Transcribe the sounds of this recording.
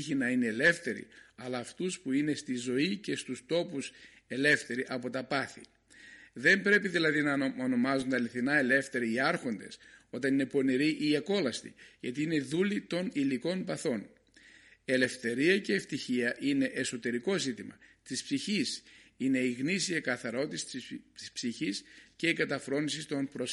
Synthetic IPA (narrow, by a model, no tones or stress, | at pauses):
çinɐine̞ːle̞fθe̞ɾḭɐlɐːft̪uspuine̞st̪izo̞ice̞st̪ust̪o̞pus | e̞le̞fθe̞ɾiʔɐpo̞t̪ɐpɐθḭ | ðe̞mbɾe̞piðilɐðinɐono̞mɐzund̪eɐliθinɐe̞le̞fθe̞ɾiiɐɾxo̞nd̪e̞̰so̞t̪ɐnine̞po̞niɾiʔiɐko̞lɐst̪ḭʝɐt̪iine̞ðulit̪o̞niliko̞npɐθo̞n | e̞le̞fθe̞ɾiɐce̞ːft̪içiɐʔine̞ʔeso̞t̪e̞ɾiko̞zit̪imɐ̰t̪ispsiçisine̞iɣnisiekɐθɐɾo̞t̪ist̪i̥spsiçisce̞ikɐt̪ɐfɾo̞nisist̪o̞npɾos